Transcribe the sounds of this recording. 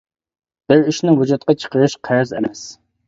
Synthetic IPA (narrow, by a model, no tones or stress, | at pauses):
b̥ɪɾiʃnɪŋwʊd͡ʒut̪̚qɑt͡ʃʰə̥qəɾɨʃqʰæɾzɛ̰mɛs